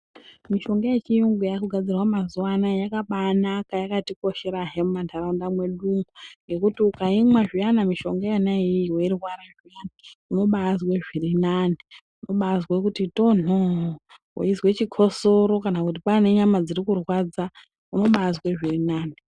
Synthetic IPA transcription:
miʃo̞ŋɡajet͡ʃijuŋɡujakuɡʱad͡zirwamazuwanajakaɓanakajakatiko̞ʃe̞ɾaɦemumandʰaraundamwe̞ɗumuŋɡe̞kutiukaimwaʐijanamiʃo̞ŋɡajanaiiweirwaɾaʐijanauno̞ɓaːzweʐirinani | uno̞ɓazwekutito̞no | wo̰izwe̞t͡ʃikʰo̞so̞ɾo̞kanakutipane̞ɲamad͡zirikurwad͡za | uno̞ɓaːzweʐirinaːni

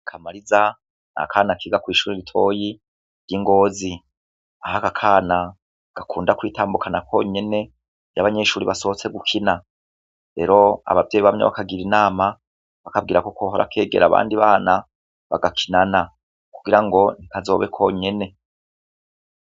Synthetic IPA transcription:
kʰamaɾiza | na̰kʰaːnakʰiːɡakwiːʃuːɾiɾitʰo̞ːji | ɾjiŋɡo̞ːzi | ahakakʰaːna | ɡ̥akʰuːndakwiːtaːmbukʰanakʰo̞̰ɲe̞ne̞ | jaβaɲe̞ːʃuːɾiβasohot͡se̞ɡukʰina | ɾe̞ɾo̞a̰βavɟejiβamɲa̰βa̰kaɡiɾinaːma | βakab̚ɡiːɾako̞koɦoɾa̰kʰe̞ːɡe̞̰ɾaβa̰ːndiβaːna | βa̰ɡakʰinana | kuɡiɾaŋɡo̞nikazo̞̰βe̞kʰo̞ɲe̞ne̞

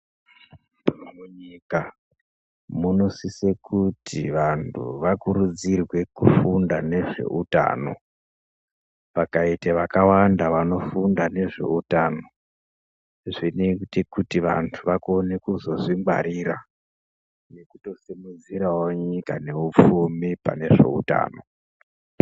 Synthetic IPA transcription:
muɲika | munosise̞kutʰḭʋantʰṵʋakurud͡zirwe̞kufundane̞ʐe̞̰ʔuta̰no̞̰ | ʋakaiteʋakawandaʋano̞fundane̞ʐe̞̰utano̞ | ʐinetekutiʋa̰ntʰuʋakone̞kuzo̞ʐimɡ͡ba̰ɾiɾa | ne̞kuto̞simud͡ziɾawoɲikane̞up͡fumipa̰ne̞ʐe̞̰ṵta̰ːno̞

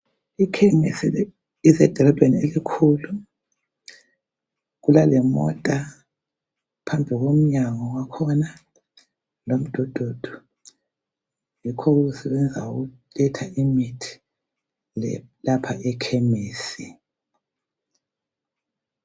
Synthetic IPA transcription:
ikʰɛmesi | isɛd̥ʱɔlɔb̥ʱʼenielikʰulu | ɣulalɛmɔ̰tʼa | pʰambʱiɣom̩ɲaŋɔwakʰɔna | lom̩d̥ʱɔd̥ʱod̥ʱɔ̥ | jikʰɔɣuɣusɛβɛnd͡zʱauɣu | lɛtʰaʔimitʰi̥ | lɛlapʰaʔɛkʰɛmeːsi

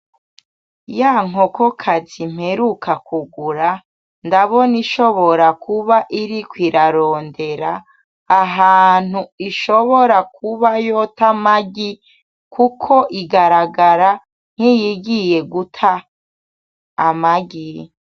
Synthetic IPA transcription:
jaŋoko̞kʰazim̥heɾukʰakuɡuɾa | ndaβo̞niʃoβo̞ɾakuβaʔiɾikwiɾaɾo̞ːnde̞ɾaː | ɦaːn̥huiʃo̞βo̞ɾakʰuβajotamaɡi | kʰukʰo̞ʔiɡaɾaɡaɾa | n̥hijiɡije̞ɡutʰa | maɡi

